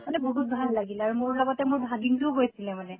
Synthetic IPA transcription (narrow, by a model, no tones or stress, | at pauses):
manɛboɦut̚bʱalːaɡilɛaɹumʊɹlɔɡɔtɛmʊɹbʱaɡiŋtuʊɦojsilɛmanɛ